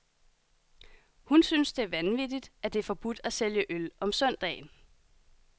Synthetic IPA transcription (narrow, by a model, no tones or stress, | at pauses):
hunsyːnsd̥e̝æɐʋænʋid̥id̥æd̥e̝æɐfɒ̽b̥ud̥æseljəʔølʔɒ̽msœn̰d̥ɛ̰ːn